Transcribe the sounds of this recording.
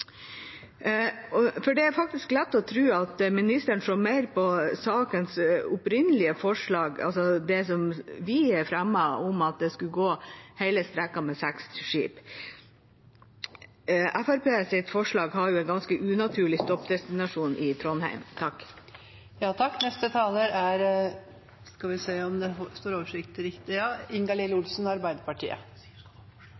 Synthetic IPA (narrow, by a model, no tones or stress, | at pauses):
ɔfɔɖɛæɾfɑk̚t̪ɪsklɛt̪ːɔt̪ʰɾʉːɑt̪mɪnɪst̪əɳʂoːmæɪɾpʰɔsɑːkənsʊpɾɪnəlɪəfɔʂɭɑːɡɑ̰lsɔd̪ɛsɔmʋɪæɾfɾæmːəɔmɑt̪̚d̪ɛskʉɡoːhæɪləst̪ɾɛkːɑmɛsæksʂḭːp | ʔæfæɾpeːsɪt̪fɔʂɭɑːɡɦɑɾjʊɛɪnɡɑnskəʔʉːnɑt̪ʰʉːɭɪst̪ɔpːd̪ɛst̪ɪnɑʂuːnʔɪt̪ʰɾɔnhæ̰ɪmt̪ʰɑkː | jɑːt̪ʰɑkːnɛst̪ət̪ʰɑːləɾæɾ | skɑʋɪseːɔmd̪ɛst̪oːɾoːʋəʂɪk̚t̪ɾɪkt̪ɪjɑːɪŋɡɑlɪləʊlsn̩ɑɾbæɪd̪əpɑʈʰḭːə̰